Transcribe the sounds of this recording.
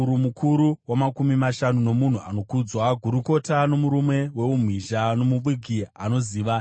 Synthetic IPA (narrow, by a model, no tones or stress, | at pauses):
uɾumukʰuɾuwamakumimaʃanuno̞mun̤uano̞kud͡zwaɡʱuɾuko̞tano̞muɾumwe̞we̞um̤wiʒano̞muɓiɡʱiano̞ziːʋa